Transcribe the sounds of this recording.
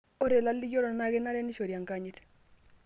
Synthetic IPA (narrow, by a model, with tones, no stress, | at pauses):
o˦ɾe˨la˦lːi˦ɡo˦ɾɔ˨na˦ɣe˦na˦ɾɛ˦ni˦ʃo˨ɾja˨ŋka˦ɲɪt